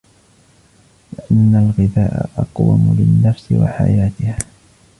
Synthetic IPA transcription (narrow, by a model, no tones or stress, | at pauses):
lɪʔanːalɣɪðaːʔaʔɑqwa̰mʊlɪnːafsɪwa̰ħajaːt̪ɪhaː